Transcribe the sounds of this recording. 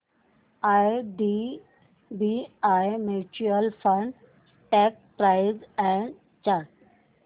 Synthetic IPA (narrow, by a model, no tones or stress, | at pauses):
ajɖi | biajmeʈiəlfə̃ɳɖ | ʈɛk̚pɾaɪzɛ̃ɳ | t͡ɕaɾ